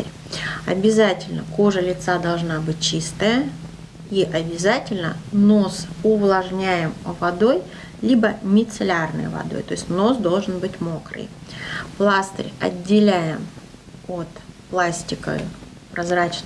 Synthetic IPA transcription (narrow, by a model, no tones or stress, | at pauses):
əɾʲ | ɐ̰bʲɪzatʲɪlʲnəko̞ʐəlʲɪt̪sad̪ɐlˠʐnabɨt̚ʲt͡ɕist̪əjə | iʔɐbʲɪzatʲɪlʲnəno̞sʊvlˠɐʐnʲæjɪmvɐd̪o̞j | lʲibəmʲɪt̪sɨlʲarnɨ̰jə̰vɐ̰d̪o̞̰jt̪o̞̰ɪsʲtʲno̞sd̪o̞lˠʐɨnbɨtʲmo̞kɾɨ̰jplˠast̪ə̰ɾʲɐ̰dʲːɪlʲæjɪm | o̞t̪plˠasʲtʲɪkə̰ | pɾɐzɾat͡ɕ̪